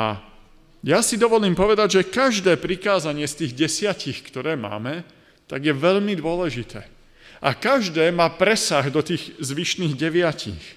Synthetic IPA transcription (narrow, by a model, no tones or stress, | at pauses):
a̰ | jasid̪ɔʋɔliːmpɔʋɛd̪aɟʒɛkaʒd̪ɛːpɾikaːzaɲɪɛst̪iːɣɟɛsɪacixkt̪ɔɾɛːma̰ːmɛ | t̪aɡjɛʋɛʎmid̪ʊɔlɛʒit̪ɛ̰ː | ʔakaʒd̪ɛːmaːpɾɛsaɣd̪ɔt̪iːɣzʋiʃniːɣɟɛʋɪacḭx